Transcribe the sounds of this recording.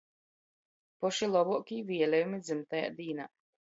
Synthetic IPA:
pɔʃilˠɔbɔɔkʲivʲiɛlʲɛjumid̪zɨmt̪aja̰ːd̪iːna̰ː

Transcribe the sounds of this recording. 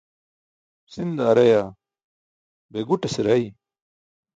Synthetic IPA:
sind̪aːɾɐjaː | beɡuʈɐsiɾɐi

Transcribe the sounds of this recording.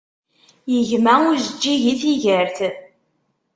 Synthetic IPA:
jəʝmæʊɾzəd͡ʒːiʝiθiʝəɾθ

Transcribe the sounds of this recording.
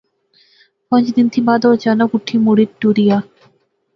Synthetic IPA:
pɔ̃nd͡ʑd̪int̪ʰibad̪od͡ʑanokuʈʰimuɽiɾʈuɾija

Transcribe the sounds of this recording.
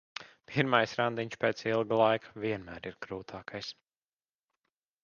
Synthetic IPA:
pʲʰiɾmajsɾand̪iɲʲʃpeːt̪silˠɡlˠajkʰḁviɛnmæːɾiɾɡɾuːt̪ʰaːkʰajs

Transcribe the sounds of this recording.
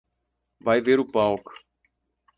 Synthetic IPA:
vajveɾʊpawkʊ̥

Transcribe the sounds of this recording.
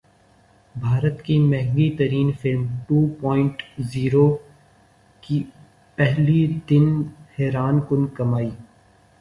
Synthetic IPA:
bʱaːɾət̪kimɛ̃ɦŋɡit̪ɐɾiːnfɪlmʈuːpɔːɪ̃ɳʈziːɾoː | ki | pɛɦlid̪ɪnhɛːɾaːnkʊnkɐmaːiː

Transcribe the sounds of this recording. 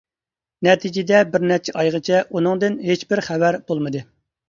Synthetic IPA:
nɛt̪ʰɪd͡ʒɪd̪ɛbɪɾnɛt͡ʃʰɛʔɑjʁət͡ʃʰɛʔunɨŋd̪ɨnɦet͡ʃbɪɾχævæɾb̥olˠmɨd̪ɨ

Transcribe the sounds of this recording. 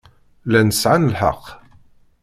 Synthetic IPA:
lænəsʕanəlħə̰qː

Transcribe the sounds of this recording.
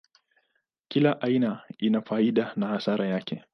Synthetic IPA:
kilaʔainainafaiɗanahasaɾajakʰɛ

